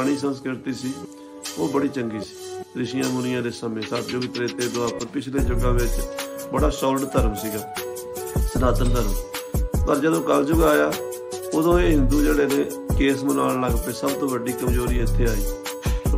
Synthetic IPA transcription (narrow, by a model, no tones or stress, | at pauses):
ɽ̃iːsənskɾɪɾɪt̪iːsiː | oːbəɽiːt͡ʃəŋɡiːsi̥ːɾɪʃɪjãːmʊnɪjãːd̪eːsəmẽːsat̪d͡ʒʊɡt̪əɾeːt̪eːd̪oaːpəɾpɪt͡ʃʰleːd͡ʒʊɡãːʋɪt͡ʃbəɽaːsɔːlɖt̪əɾəmsiːɡaː | sənaːt̪əɾd̪əɾəmpəɾd͡ʒəd̪õːkəld͡ʒʊɡaːjaː | od̪õːeːɦɪ̃nd̪uːd͡ʒeːɽeːneː | keːsmənaːɳləɡpeːsəbt̪õːʋəɖiːkəmzoːɾiːɪt̪ʰːeːaːiː